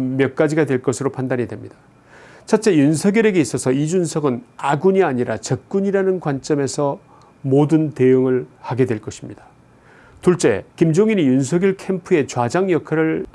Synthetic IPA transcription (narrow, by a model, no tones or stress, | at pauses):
mjʌk̚k͈ad͡ʑiɡadwe̞ɭk͈ʌsʰɯɾopʰandaɲidwe̞mɲid̥a | t͡ɕʰat͡ɕ͈e̞junsʰʌɡjuɾe̞ɡe̞is͈ʌsʰʌid͡ʑunsʰʌɡɯnaɡuɲiaɲiɾa̰t͡ɕʌk̚k͈uɲiɾanɯnkwant͡ɕ͈ʌme̞sʰʌ | modɯnte̞joŋɯɭhaɡe̞dwe̞ɭk͈ʌɕʰimɲid̥ḁ | tuɭt͡ɕ͈e̞̰kimd͡ʑoŋiɲijunsʰʌɡjuɭkʰe̞mpʰue̞t͡ɕwad͡ʑaŋjʌkʰaɾɯɭ